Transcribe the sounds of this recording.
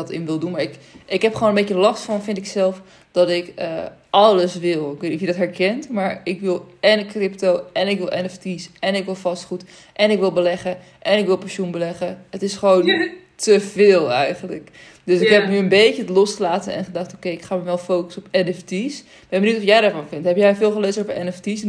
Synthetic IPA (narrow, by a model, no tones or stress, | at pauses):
ɔtɪmʋɪlˠdunmaɹɪkɪkɦɛpχoːnənbecəlɑstfɔnfɪntɪksɛlˠf | d̥ɔtɪkəʔɑləsʋɪlˠɪkʋeniɔfjədɔtɦɛɹkɛntmaɹɪkʋɪlˠɛnəkrɪptowɛnɪkʋɪlˠʔɛnɛftisɛnɪkʋɪlˠfɑstχut | ʔɛnɪkʋɪlˠbəlɛχə | ʔɛnɪkʋɪlˠpɛnʃunbəlɛχəətɪsχəʋown | təvɪːlˠɛ̰jχənlə̰k | døsɪkɦɛpnyənbejt͡ʃəətlɔsχəlaːtənɛ̰nχədɑχtowkejɪkχaːməʋɛlˠfowkə̥sɔpɛnɛftis | b̥ɛnbənutɔfjɛjdaːɹfɔnfɪntɦɛpjɛjfɪːlˠχəleɥzətɔpəɛnɛftis